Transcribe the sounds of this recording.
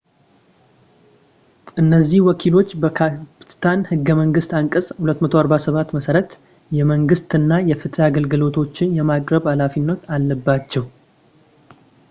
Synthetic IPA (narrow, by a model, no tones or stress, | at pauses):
ʔɨnːəzːihwɔkʰilo̞t͡ʃːbəkʰapɨɨt̪ʰanhɨɡːəməŋɡɨst̪aŋkʼəsʼhulət̪ːmət̪ʰo̞aɾbasəβat̪ːməsəɾət̪ | jɛməŋɡɨst̪ɨnːajɛfɨt̪ʰaɡəlɡɨlo̞t̪ʰo̞t͡ʃːɪnjɛmakʼɾəβhalafinːət̪alːəbːat͡ʃːɛw